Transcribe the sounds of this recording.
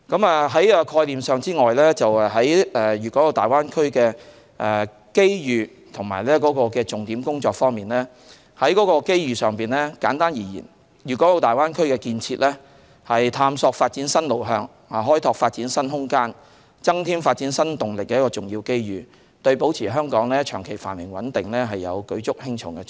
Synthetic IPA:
kɐ˨˥maː˨ɦɐ˨˥jɛ˨˧kʰɔː˧jliː˨msœː˨ŋt͡siː˥ŋɔː˨jlɛː˥t͡sɐ˨wɛ˨ɦɐ˨˥jɛː˨˩jyː˨kɔ˨˥lo˨˧wt̪aː˨˩jwaː˥nkʰɵ˥ɥkɛː˧ | ʔɛ˨ | ke˥jjyː˨˩ | t̪ʰʊ˨˩ŋma̰ː˨˩jlɛː˥kɔː˨˥kɔː˧kɛː˧t͡sʊ˨ŋt̪iː˨˥mkʊ˥ŋt͡sɔː˧k̚fɔː˥ŋmiː˨nlɛː˥ | hɐ˨˥jkɔː˨˥kɔː˧ke˥jjyː˨˩sœː˨ŋpiː˨˩nlɛː˥kaː˨˥nt̪aː˥njiː˨˩jḭː˨˩n | jyː˨kɔ˨˥lo˨˧wt̪aː˨jwaː˥nkʰɵ˥ɥkɛː˧kiː˧nt͡sʰiː˧t̚lʔɛː˥ | hɐ˨jt̪ʰaː˧msɔː˧k̚faː˧t̚t͡si˨˥nsɐ˥nlo˨˩wɦœː˧ŋ | haː˨˩ɦɔː˥jt̪ʰɔː˧k̚faː˧t̚t͡siː˨˥nsɐ˥nɦʊ˥ŋkaː˥n | t͡sɐ˥ŋt̪ʰiː˥mfaː˧t̚t͡si˨˥nsɐ˥nt̪ʊ˨˩ŋlɪ˨kːɛː˧jɐ˥kɔː˧t͡sʊ˨ŋjiː˧wke˥jjyː˨ | t̪ɵ˧ɥpo˨˥wt͡sʰiː˨˩ɦœː˥ŋkɔː˨˥ŋlɛː˥t͡ʃʰœː˨˩ŋkʰe˨˩jfa̰ː˨˩nmɪ˨˩ŋwɐ̰˨˥nt̪ɪ˨ŋlɛː˥ɦɐ˨jːɐ̰˨˧wkɵ˨˥t͡sʊ˥k̚hɪ˥ŋt͡ʃʰʊ̰˨˥ŋkɛː˧

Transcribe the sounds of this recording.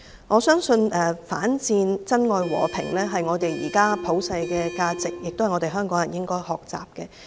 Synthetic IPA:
ŋɔː˨˧sœː˥ŋsɵ˧nɛː˨fa̰ː˨˥nt͡siː˧nt͡sɐ˥nŋɔː˨˧jwɔ̰ː˨˩pʰɪ̰˨˩ŋlɛː˥ɦɐ˨jŋɔː˨˧t̪e˨jjḭː˨˩kaː˥pʰo˨˥wsɐ˧jkɛː˧kaː˧t͡sɪ˨k̚jɪ˨k̚t̪whjŋɔː˨˧te˨jɦœː˥ŋkɔː˨˥ŋjɐ˨˩njɪ˥ŋkɔː˥jhɔː˨˩k̚t͡sa̰ː˨p̚kɛ˧

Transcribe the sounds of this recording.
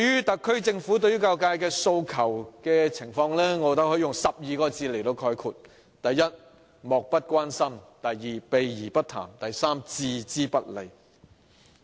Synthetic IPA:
jyː˥t̪ɐ˨kʰːɵ˥ɥt͡sɪ˧ŋfuː˨˥t̪ɵ˧ɥyː˥ka˧wkaː˧jkɛː˧so˧wkʰɐ˨˩wkɛː˧t͡sʰɪ˨˩ŋfɔː˧ŋlɛː˥ŋɔː˨˧t̪ɐ˨˥hɵ˧˥jʊ˨ŋsɐ˨p̚jiː˨˧kɔː˧t͡siː˧le˨˩jt̪o˧wkʰɔː˧jkʰuː˨˧˩t̚ | t̪ɐ˨jːɐ˥t̚ | mɔː˨k̚pɐ˥t̚kʷaː˥nsɐ˥mt̪ɐ˨jːiː˨˧pe˨˧jjiː˨˩pɐ˥t̪ʰa̰ː˨˩mt̪ɐ˨jsaː˥mt͡siː˧t͡siː˥pɐ˥t̚le˨˩j

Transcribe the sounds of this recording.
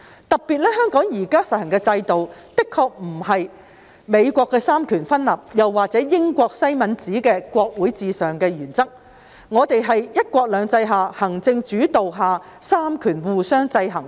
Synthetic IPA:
t̪ɐ˨˩k̚piː˨t̚lɛː˥hœː˥ŋkɔː˨˥ŋjiː˨˩kaː˥sɐ˨t̚hɐ˨˩ŋkɛː˧t͡sɐ˧jt̪o˨wt̪ɪ˥kʰɔː˧k̚m̩˨˩ɦɐ˨j | me˨˧jkʷɔː˧kːɛː˧saː˥mkʰyː˨˩nfɐ˥nlaː˨p̚jɐ˨˩wːaː˨k̚t͡sɛː˨˥jɪ˥ŋkʷɔː˧k̚sɐ˥jmɐ˨˧nt͡siː˨˥kɛː˧kʷɔː˧k̚wu˨˥jt͡siː˨sœː˨ŋkɛː˧jyː˨˩nt͡sɐ˥k̚ | ŋɔː˨˧t̪e˨jɦɐ˨jjɐ˥t̚kʷɔː˧k̚lœː˨˧ŋt͡sɐ˧jɦaː˨˩hɐ˨˩ŋt͡sɪ˧ŋt͡ʃyː˨˥t̪o˨wɦaː˨ | saː˥mkʰyː˨˩nwuː˨˩sœː˥ŋt͡sɐ˧jɦɐ˨˩ŋ

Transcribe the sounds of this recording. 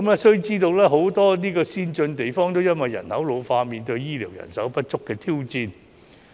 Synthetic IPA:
mɛː˥sɵ˥ɥt͡siː˥t̪o˧wlɛː˥ɦo˨˥wt̪ɔː˥niː˥kɔː˧siː˥nt͡ʃɵ˧nt̪e˨jfɔː˥ŋt̪o˥wjɐ˥nwɐ˨jːɐ̰˨˩nhɐ˨˥wlo˨˧wfaː˧miː˨nt̪ɵ˧ɥjiː˥liː˨˩wjɐ̰˨˩nsɐ˨˥wpɐ˦˥t̚t͡ʃʊ˥kːɛː˧t̪ʰiː˥wt͡siː˧n

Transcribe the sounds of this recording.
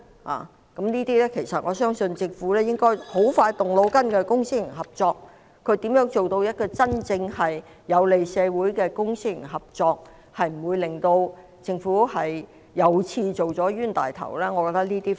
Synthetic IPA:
ha̰ː˨˩ | kɐ˨˥mniː˥t̪iː˥lɛː˥kʰe˨˩jsɐ˨t̚ŋɔː˨˧sœː˥ŋsɵ˧nt͡sɪ˧ŋfuː˨˥lɛː˥jɪ˥ŋkɔː˥jho˨˥wfaː˧jt̪ʊ˨ŋlo˨˧wkɐ˥nkɛː˧kʊ˥ŋsi˥jɪ˨˩ŋɦɐ˨p̚t͡sɔː˧k̚ | kʰːɵ˨˧t̪iː˨˥mjœː˨˥ŋt͡so˨wt̪o˧wjɐ˥t̚kɔː˧t͡sɐ˥nt͡sɪ˧ŋhɐ˨jː | ɐ˨˧wle˨jsɛː˧wuː˨˥jkɛː˧kʊ˥ŋsi˥jɪ˨˩ŋɦɐ˨p̚t͡sɔː˧k̚ | hɐ˨jm̩˨˩wuː˨˧jlɪ˨˩ŋt̪o˧w | t͡sɪ˧ŋfuː˨˥hɐ˨j | jɐ˨˧wt͡sʰiː˧t͡so˨wt͡sɔː˨˥ɥyː˥nt̪a̰ː˨jt̪ʰɐ̰˨˩wlɛː˥ŋɔː˨˧kɔː˧k̚t̪ɐ˥niː˥t̪iː˥

